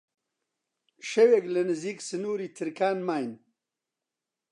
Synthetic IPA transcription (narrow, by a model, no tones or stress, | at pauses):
ʃɐweklɐnɨziːksɨnuːɾiːt̪ʰɨɾkaːnmaːjn